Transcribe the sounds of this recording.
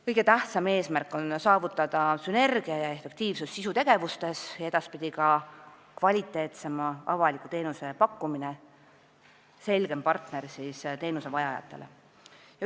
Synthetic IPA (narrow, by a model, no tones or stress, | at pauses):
kɤjɡe̞t̪æht̪sɑme̞ːsmærkːˑo̞nsɑːvut̪ːˑɑd̪̥ɑsyne̞rɡ̥iɑjɑe̞fek̚t̪iːvsusːisut̪e̞ɡ̥e̞vust̪e̞sjɑe̞d̪ɑspid̪̥ʲikɑ | kvɑlʲit̪ːˑe̞ːt̪se̞mɑʔɑ̰vɑlikːˑut̪e̞ːnuse̞pɑkːumine | se̞lɡ̥e̞mpɑrt̪ne̞rsist̪e̞ːnuse̞vɑjɑjɑ̰t̪ːˑe̞̰lʔe̞̰ | jɑ